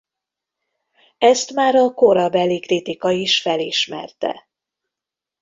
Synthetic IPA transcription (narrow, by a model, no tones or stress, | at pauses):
ɛst̪maːɾɒkoɾɒbɛlːikrit̪ikɒiʃfɛliʃmɛ̰rt̪ɛ̰